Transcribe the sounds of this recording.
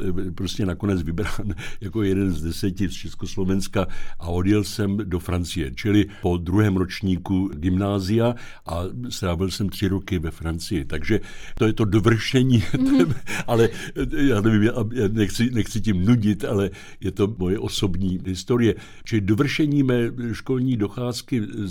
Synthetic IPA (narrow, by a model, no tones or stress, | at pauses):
pɾoscɛnako̞nɛd͡zvɪbɾaːnjako̞jɛdɛnzdɛsɛcɪst͡ʃɛskoslo̞vɛnskaʔao̞djɛlsɛmdo̞fɾant͡sɪjɛ̰t͡ʃɪlɪpo̞d̪ɾuɦɛːmɾot͡ʃɲiːkuɡɪmnaːzɪja | ʔast̪ɾaːvɪlsɛmt̪r̝̥ɪɾokɪvɛfɾant͡sɪjɪt̪aɡʒɛt̪ojɛt̪o̞dovr̩ʃɛɲiːt̪ɛmʔalɛjaːnɛvimjaʔjanɛxt͡sɪnɛxt͡sɪcimnuɟɪt̪alɛ | jɛt̪o̞mo̞jɛʔo̞so̞bɲiːɦɪst̪o̞ɾɪjɛ | t͡ʃɪlɪdovr̩ʃɛɲiːmɛːʃko̞lɲiːdo̞xaːskɪ